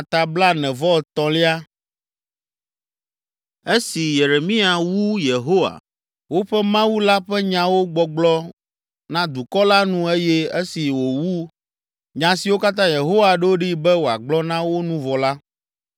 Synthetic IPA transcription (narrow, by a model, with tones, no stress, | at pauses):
a˨t̪a˨bla˦nɛ̃˨vɔ˦˨t̪ɔ̃˨li˦a˦ | e˦si˨je˨ɾe˨mĩ˦a˨wu˦je˨ɦo˦wa̰˨ | wo˦ɸɛ˦mã˦wu˦la˦ɸɛ˦ɲã˨wo˦ɡ͡bɔ˨ɡ͡blɔ˦ | nã˦d̪u˨kɔ˦la˦nũ˦e˦jɛ˦e˦si˨wo˨wu˦ | ɲã˨si˨wo˦ka˦t̪ã˦je˨ɦo˦wa˨ɖɛ˦wo˦ɖi˦bɛ˦wo˨a˨ɡ͡blɔ˦nã˦wo˦nũ˦vɔ˨la˦